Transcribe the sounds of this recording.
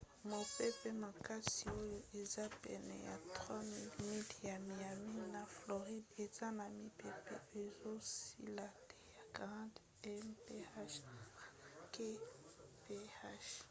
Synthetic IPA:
mo˨pɛ˦pɛ˦ma˨ka˦si˨o˦jo˦ʔe˨za˦pɛ̰˨nɛ̰˨ja̰˨tʁwa˦mi˦lmi˦lja˨mi˨a˨mi˦na˨flo˨ʁi˦de˨z̥a˦na˨mi˦pe˨pɛ̰˦˨e˨zo˦sḭ˦la˨te˨ja˨kʁã˦t | ɛ˦mpe˦a˦ʃ | ke˦pe˦a˦ʃ

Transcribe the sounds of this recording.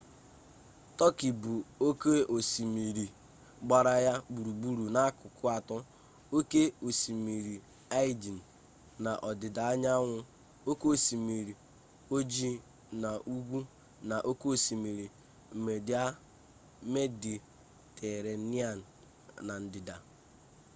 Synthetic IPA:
tɔ˦ki˨bu˨o˦ke˦ʔo˨si˨mi˨ɾi˨ | ɡ͡ba˨ɾa˨ja˦bu˨ɾu˨bu˨ɾu˨na˨a˦kʊ˨kʊ˦a˨tɔ˦ | o˦ke˦o˨si˨mi˨ɾi˨ | a˦i˦di˨n̩˨ | na˨ʔɔ˨dɪ˨da˨a˦ɲa˦ŋʷʊ˦ | o˦ke˦o˨si˨mi˨ɾi˨ | o˦d͡ʒi˦ | na˨ʔu˦ɡʷu˦ | na˨ʔo˦ko˦o˨si˨mi˨ɾi˨ | m̩˨me˨dɪ˦a˦ | me˦di˨ | tʰe˨ɾe˨n̩˦ni˦a˦˨n̩˨ | na˨n̩˨dɪ˨da˨

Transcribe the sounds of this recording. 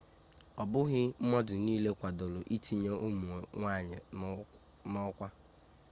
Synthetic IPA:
ɔ˨bʊ˦ɣɪ˦m̩˦mɔ˦dʊ˨niː˦le˦kʷa˨do˨lo˨ʔi˦ti˦ɲe˦ʔu˦mu˨ŋʷa˦˨ɲɪ˨ | nɔ˦kʷa˦

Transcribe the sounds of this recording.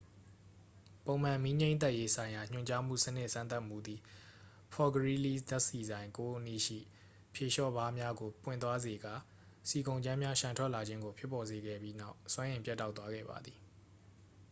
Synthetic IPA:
põ˨ʊ̃m̥ã˨mi˦ɲẽ˦ɪ̃nt̪̬a˦ʔje˦sʰã˨ɪ̃ja˨ɲ̥ʊ̰̃˨ɲt͡ɕa˦m̥ṵ˦˨sənɪ˦ʔsã˦nt̪a˦ʔmṵ˨d̪i˨ | pʰɔ˨ɡəɹi˦li˦d̪a˦ʔsi˨zã˨ɪ̃ŋko˦ʔənḭ˦˨ʃḭ˦˨ | pʰje˨ʃɔ˦˨ba˦mja˦ɡo˨pwɪ̰̃˦˨nt̪̬wa˦ze˨ɡa̰˨ | si˨kõ˨ʊ̃ɲd͡ʑã˦mja˦ʃã˨ntʰwɛ˦ʔla˨d͡ʑɪ̃˦ŋɡo˨pʰjɪ˦pːɔ˨ze˨ɡɛ̰˦˨bji˦na˦˨ʊswã˦ʔɪ̃˨pjɛ˦tːa˦ʊt̪wa˦ɡɛ̰˦˨ba̰˨d̪ði˨

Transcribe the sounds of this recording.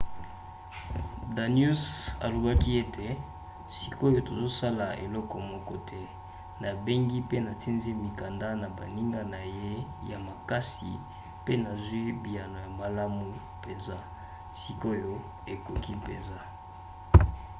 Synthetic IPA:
da˨nju˦sa̰˨lo˨ba˦ki˦e˦tʰe˨ | si˨ko˦jo˦to˨zo˦sa˦la˨ḛ˨lɔ˦kɔ˨mɔ˦kɔ˦tʰɛ˦ | na˨be˦ŋɡi˦pe˦na˨ti˦nzi˦mi˨ka˨nda˦na˨ba˨ni˦ŋɡa˦na˨je˦ja˨ma˨ka˦sḭ˨ | pe˦na˨zwi˦bi˨ja˨no˨ja˨ma˨la˦mu˨ | pe˨nza˦ | si˨ko˦jo˦ | e˨ko˨ki˦pe˨nza˦

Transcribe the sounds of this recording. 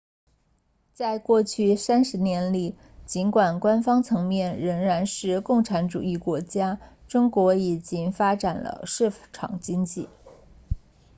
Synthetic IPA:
t͡sa˥˧ɪkwɔ˥˧t͡ɕʰy˥˩sa˥nʂɻ̩˧˥njɛ˧˥nli˨˩ | t͡ɕi˧˥nkwa˨˩nkwa˥nfɑ˥ŋt͡sʰɤ˧˥ŋmjɛ˥˩nɻə˧˥ŋɻa˧˥nʂɻ̩˥˧kʊ˥˩ŋʈ͡ʂʰa˧˥nʈ͡ʂṵ˨˩i˥˩kwɔ˧˥t͡ɕja˥ʈ͡ʂʊ˥ŋkwɔ˧˥i˨˩t͡ɕi˥ŋfa˥ʈ͡ʂa˨˩nlə̰˦ʂɻ̩˥˩ʈ͡ʂʰɑ̰˨˩ŋt͡ɕi˥ŋt͡ɕi˥˩

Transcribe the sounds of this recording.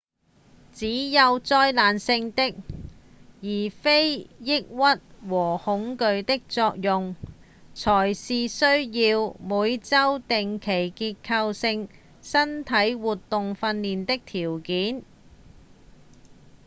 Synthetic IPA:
t͡siː˨˥jɐ˨˧wt͡sɔː˧jlaː˨nsɪ˧ŋt̪ɪ˥k̚ | jiː˨˩fe˥jjɪ˥k̚wɐ˥t̚wɔː˨˩hʊ˨˥ŋkɵ˧ɥt̪ɪ˥k̚t͡sɔː˧k̚jʊ˨ŋ | t͡sʰɔː˨˩jsiː˨sɵ˥ɥjiː˧wmuː˨˧jt͡sɐ˥wt̪ɪ˨ŋkʰe˨˩jkiː˧t̚kʰɐ˧wsɪ˧ŋ | sɐ˥nt̪ʰɐ˨˥jwuː˨˩t̪ːʊ˨ŋfɐ˧nːiː˨nt̪ɪ˥k̚t̪ʰiː˨˩wkiː˨˥n

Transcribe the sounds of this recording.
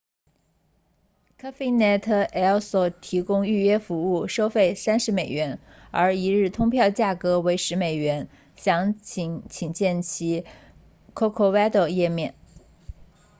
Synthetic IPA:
kʰa˥fe˥ɪnɛ˥˩t̪ʰɤ˥˩ʔɛ˥˩lswɔ˨˩t̪ʰi˧˥kʊ˥ŋy˥˩ɥɛ˥fu˧˥u˥˩ʂo˥ʊfe˥˩ɪsa˥nʂɻ̩˧˥me˨˩ɪɥɛ˧˥n | ə˞˧˥i˧˥ɻɻ̩˥˩t̪ʰʊ˥ŋpʰjɑ˥˧ʊt͡ɕja˥˩kɤ˧˥we˧˥ɪʂɻ̩˧˥me˨˩ɪɥɛ˧˥n | ɕjɑ˧˥ŋt͡ɕʰŋt͡ɕʰi˨˩ŋt͡ɕjɛ˥˩nt͡ɕʰi˧˥ | kʰɔ˥kʰo˥˧wɛ˥d̪ə˧˩jɛ˥˧mjɛ˥˩n

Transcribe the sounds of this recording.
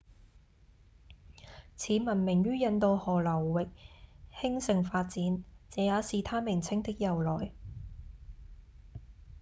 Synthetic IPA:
t͡sʰiː˨˥mɐ˨˩nmɪ˨˩ŋjyː˥jɐ˧nt̪o˧whɔː˨˩lɐ˨˩wːɪ˨k̚hɪ˥ŋsɪ˨ŋfaː˧t̚t͡siː˨˧˥nt͡sɛː˨˧jaː˨˥siː˨t̪ʰaː˥mɪ˨˩ŋt͡sʰɪ˥ŋt̪ɪ˥k̚jɐ˨wlɔː˨˩j

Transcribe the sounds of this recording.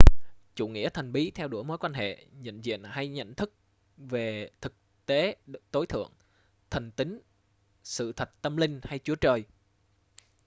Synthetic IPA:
t͡ɕṵ˧˨ŋḭ˧˥ət̪ʰa˨˩jŋ̟ɓi˨˦t̪ʰɛ˧wɗu˧˩əjmo˨˦jkwaː˧nhḛ˧˨ɲə̰˧˨nzḭ˧˨ənha˧jɲə̰˧˨jnt̪ʰɨ˦˥k̚ | ve˨˩t̪ʰɨ˨˩k̚ | t̪e˨˦t̪o˨˦jt̪ʰɨ̰˧˨əŋ | t̪ʰə˨˩ŋt̪ï˨˦ŋ̟ | sɨ̰˧˨t̪ʰə˨˩t̚t̪ə˧mlï˧ŋ̟ha˧jt͡ɕu˨˦ət͡ɕəː˨˩j

